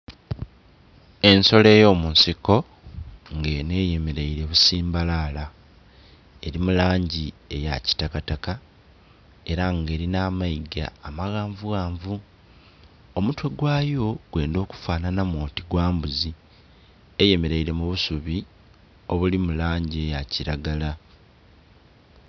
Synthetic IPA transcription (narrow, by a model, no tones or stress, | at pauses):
e̞nso̞le̞ːjo̞ːmunsiko̞ | ŋɡe̞ːne̞ːje̞me̞ɾaiɾe̞βusiːmbalaːla | e̞ɾimulaːɲɟie̞jaci̥takataka | e̞ɾaŋɡe̞ːɾinaːmaiɡa̰ːmaɣaːɱvuɣaːɱvu | omutwe̞ɡwaːjo̞ɡ̥we̞ːndo̞ːku̥faːnanamwoːtiɡwaːmbuzi | e̞je̞me̞ɾaiɾe̞muβusuβi | o̞βulimulaːɲɟie̞jaciɾaɡala